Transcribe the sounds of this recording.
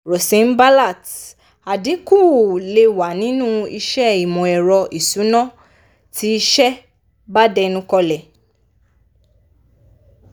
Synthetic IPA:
ɾo˨sĩ˨˦n̩˦ba˦la˦˨t | a˨di˨˦ku˦˨le˧wa˨nĩ˨˦nũ˦i˧ʃɛ˦i˨mɔ̃˨ɛ˨ɾɔ˧ʔi˨su˨˦nɔ̃˦ | tʰi˨˦˧ʃɛ˦ | ba˦dɛ˧nũ˦kɔ˧lɛ˨

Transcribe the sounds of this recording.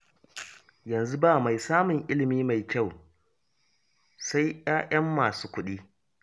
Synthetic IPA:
jɐ˨nzu˦baː˦˨ma˨jsaː˦mʊ˨ŋʔɪ˦lɪ˨miː˦ma˨jkʲɐ˦˨w | sa˦jʔj̰aː˦jɐ˦mːaː˨suː˦kʷʊ˦ɗiː˦

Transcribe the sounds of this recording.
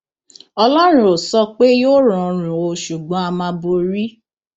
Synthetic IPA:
ɔ˧lɔ˦ɾ̃ũ˦o˨sɔ˧k͡pe˦jo˦ɾ̃ɔ̃˧ɾ̃ũ˨o˧ʃu˨ɡ͡bɔ̃˨˦a˧mã˧bo˧ɾi˦

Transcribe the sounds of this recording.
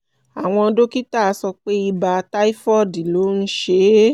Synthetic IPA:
a˨w̃ɔ̃˧do˦ki˦ta˦˨˧sɔ˧k͡pe˦i˧ba˧ta˦i˦fɔ˦˨di˨lo˨˦n̩˦ʃe˧˦

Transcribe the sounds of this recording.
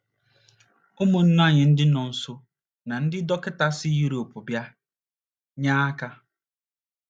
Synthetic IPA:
o˦mʊ˨n̩˦n˦a˦˨ɲɪ˨n̩˦dɪ˦nɔ˨n̩˦so˦ | na˨n̩˦dɪ˦dɔ˦kɪ˦ta˦sɪ˦ju˦ɾo˨pʊ˨bja˦ | ɲaː˦ka˦

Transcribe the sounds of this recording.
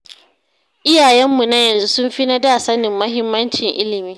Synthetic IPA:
ʔɪ˦jaː˨jɛ˦mːu˨na˦jɐ˨nzu˦sʊ˦mɸi˦na˦daː˦sɐ˦nɪ˨mːɐ˦ɦɪ˦mːɐ˦nt͡ʃɪ˨ŋʔɪ˦lɪ˨miː˦

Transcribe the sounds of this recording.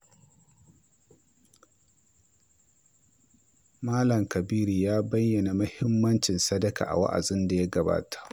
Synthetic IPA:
maː˦lɐ˨mkɐ˨biː˦ɾi˨jaː˦bɐ˦jːɐ˨na˨mɐ˦hɪ˦mːɐ˦nt͡ʃɪ˨nsɐ˦dɐ˦ka̰ː˨ʔa̰˨wa̰˦ʔa̰˨zɪ˦nda˨ja˦ɡɐ˨ba̰ː˦tḁ˨ʔ

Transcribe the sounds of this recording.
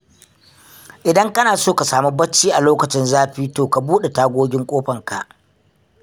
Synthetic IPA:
ʔɪ˨dɐ˦ŋkɐ˦naː˨soː˦˨ka˨saː˨mu˦bɐ˦t͡ʃːiː˦ʔa˨loː˦kɐ˨t͡ʃɪ˦nzaː˦ɸiː˦toː˨ka˨buː˦ɗe˨taː˦ɡʷoː˦ɡʲɪ˦ŋkʷʼoː˦ɸɐ˨ŋka˨ʔ

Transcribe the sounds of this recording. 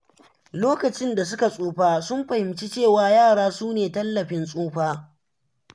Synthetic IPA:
loː˦kɐ˨t͡ʃɪ˦nda˨s̬ʊ˦ka˨sʼoː˦ɸaː˦sʊ˦mɸɐ˨hɪ˨mt͡ʃi˦t͡ʃeː˦˨waː˦jaː˦˨ɽaː˦suː˦neː˨tɐ˦lːɐ˨ɸɪ˦nsʼuː˦ɸaː˦

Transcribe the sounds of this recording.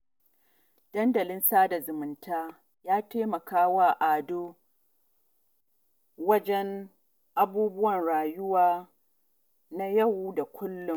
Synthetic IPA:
d̥ɐ˦ndɐ˨lɪ˦nsaː˦da˨zʊ˨mʊ˨ntʰaː˦ | jaː˦teː˦mɐ˨kaː˦waː˦ʔaː˨doː˦ | wɐ˦d͡ʒɛ˦n | ʔa˦buː˦bʊ˦wɐ˨nɽaː˨jʊ˦waː˦ | na˦jɐ˦wu˦da˨kʷʊ˦lːʊ˨m

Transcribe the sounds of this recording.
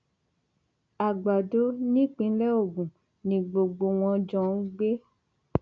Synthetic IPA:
a˨ɡ͡ba˨do˨˦nĩ˦k͡pĩ˧˦lɛ˦o˦˨ɡũ˨ | nĩ˨ɡ͡bo˨ɡ͡bo˨w̃ɔ̃˧d͡ʒɔ̃˦˨n̩˦ɡ͡be˦

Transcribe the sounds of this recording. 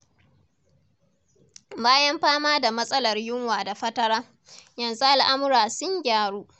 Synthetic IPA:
baː˦jɐ˦mɸaː˦maː˦da˨mɐ˦sʼɐ˦lɐ˨rjʊ˦ŋwaː˨da˨ɸɐ˦tɐ˦ɽaː˦ | jɐ˨nzu˦ʔa˨lʔa˦mʊ˦ɾaː˨sʊ˦ŋɡʲaː˨ɽuː˦ʔ

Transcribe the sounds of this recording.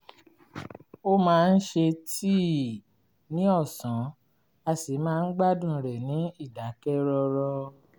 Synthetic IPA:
o˦mãː˦˧n̩˦ʃe˧ti˦˨ | nĩ˨˦ɔ˦˨sã˨˦ | a˧si˨˦mãː˦˧n̩˦ɡ͡ba˦dũ˦˨ɾɛ˨nĩ˨˦i˦˨da˨˦kɛ˦ɾɔ˧ɾɔ˧

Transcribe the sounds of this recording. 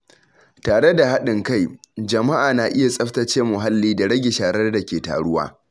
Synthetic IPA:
taː˨ɽe˦da˨ha˦ɗɪ˨ŋka˦˨jd͡ʒɐ˨ma˦ʔaː˨naː˨ʔɪ˦ja˨sʼɐ˦ɸtɐ˦t͡ʃeː˦mʊ˨ɦa˦lːiː˦da˨ɽɐ˦ɡʲe˨ʃaː˨ɽɐ˦rda˨kʲeː˨ta̰ː˨ɽʊ˦wa̰ː˦

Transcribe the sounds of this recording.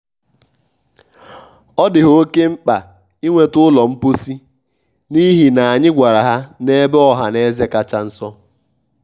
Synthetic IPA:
ɔ˦dɪ˨ɦo˦ke˦ŋ͡m̩˦k͡pa˨ | i˦ŋʷe˨tʊ˦lɔ˨m̩˦po˦si˦ | ni˦ɦi˨na˨a˨ɲɪ˦ɡʷa˨ɾa˨ɦa˦ne˦bɔ˦ɦa˨ne˦ze˦ka˦t͡ʃa˦n̩˦sɔ˦

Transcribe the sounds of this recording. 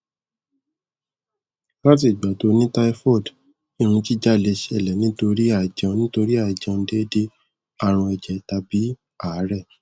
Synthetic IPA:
la˦t̬i˦˨ɡ͡ba˨to˧˦nĩ˦ta˦i˦fɔ˦˨d | i˦˨ɾ̃ũ˧ti˦d͡ʒa˦˨le˧ʃɛ˦˨lɛ˨nĩ˨˦to˧ɾi˦a˦˨d͡ʒã˧nĩ˦to˧ɾi˦a˦˨d͡ʒã˧de˦de˦ | a˦˨ɾ̃ũ˧ɛ˨d͡ʒɛ˨˦ta˧bi˨˦ | a˦˨˦ɾɛ˦˨

